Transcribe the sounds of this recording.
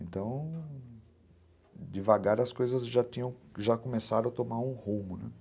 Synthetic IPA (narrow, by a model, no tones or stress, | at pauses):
ẽnt̪ɐ̃w̃ | d͡ʒɪvaɡaɾɐskojzɐzʒat̪ĩɲɐ̃w̃ʒakomesaɾɐ̃w̃at̪omaɾũhũmʊnɛ